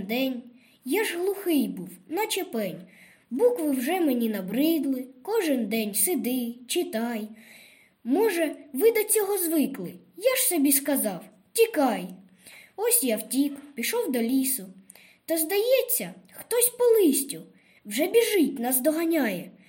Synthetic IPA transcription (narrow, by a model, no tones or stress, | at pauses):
d̪ɛnʲ | jaʒɦlˠʊxɪjbuwnɐt͡ʃepɛnʲ | bukʋɪwʒɛmenʲinɐbɾɪd̪lˠɪkɔʒɪnd̪ɛnʲsɪd̪ɪt͡ʃɪt̪ɑj | mɔʒɛʋɪd̪ɐt͡sʲɔɦɔzʋɪklˠɪ | jaʒ̥sɔbʲiskɐzɑw | tʲikɑj | ɔsʲjawtʲikpʲiʃɔwd̪ɔlʲisʊ | t̪ɐzd̪ɐjɛt͡sʲːɐxt̪ɔsʲpɔlˠɪsʲtʲʊ | wʒɛbʲiʒɪtʲnɑzd̪ɔɦɐnʲajɛ